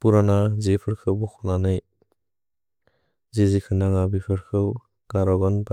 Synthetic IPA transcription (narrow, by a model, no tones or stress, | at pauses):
puɾanazepʰɯɾkʰɯwbɔkʰɔnanɯj | zezikʰɯnaŋabipʰɯɾkʰɯw | ɡ̥aɾɔɡɔnba